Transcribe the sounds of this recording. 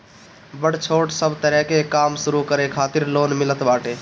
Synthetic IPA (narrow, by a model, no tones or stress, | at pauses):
bəɽt͡ʃʰoːʈsəbʱt̪əɾɛɦkekamsuɾukəɾekʰaːt̪iɾloːnmilət̪baːʈe